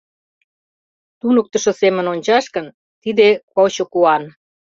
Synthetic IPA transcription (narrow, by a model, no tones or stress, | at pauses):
t̪unək̚t̪ə̆ʃosemə̆nonʲt͡ɕɑʃkə̆n | t̪id̪ekot͡ɕokuɑn